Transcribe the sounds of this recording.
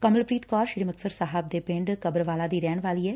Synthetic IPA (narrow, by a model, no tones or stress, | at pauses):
kəmlpɾiːt̪kɔːɾʃɪɾiːməksəɾsaːɦəb̚d̪eːpɪɳɖkəbɾʋaːlaːd̪iːɾɛːnʋaːliːɛː